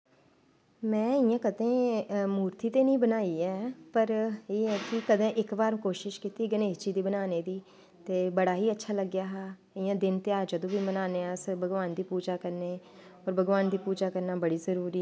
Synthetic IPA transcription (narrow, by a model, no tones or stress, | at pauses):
mɛ̃ːɪjãːkəd̪ẽːmuːɾt̪iːt̪eːnĩːbənaːiːɛːpəɾeːɦɛːkɪkəd̪ẽːʔɪkbaːɾũːkoːʃɪʃkɪt̪iːɡəneːst͡ʃiːd̪iːbənaːneːd̪iː | t̪eːbəɽaːɦiːətːʃʰaːləɡːjaːɦaː | ɪjãːd̪ɪnt̪eːaːd͡ʒəd̪õːʋiːmənaːneːãːsəbəɡʋaːnd̪iːpuːd͡ʒaːkəɾneː | ɔːɾbəɡʋaːnd̪iːpuːd͡ʒaːkəɾnaːbəɽiːzəɾuːɾiː